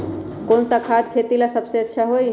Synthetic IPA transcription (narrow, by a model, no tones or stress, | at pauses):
konsakʰad̪kʰet̪ilasəbseətːʃʰaɦoj